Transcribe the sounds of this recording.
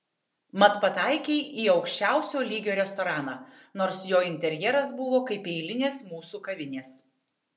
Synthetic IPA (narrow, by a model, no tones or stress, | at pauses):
mɐt̪pɐt̪ɑˑɪkʲeɪʔiːɒʊkʃʲt͡ʃʲæˑʊsʲoːlʲiːɡʲoːɾʲɛst̪ɔɾɑːnɑː | noːɾsjoːɪnʲt̪ʲɛɾʲjɛɾɐsbʊʋoːkɐɪpɛɪlʲɪnʲeːsmuːsuːkɐʋʲɪnʲeːs